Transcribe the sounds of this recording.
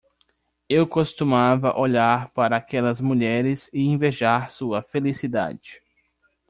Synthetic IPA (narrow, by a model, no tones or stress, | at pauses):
ewkost̪umavɐʔoʎaɾpaɾɐːkɛlɐzmuʎɛɾɪzɪẽveʒaɾsuɐfelisid̪a̰d͡ʒɪ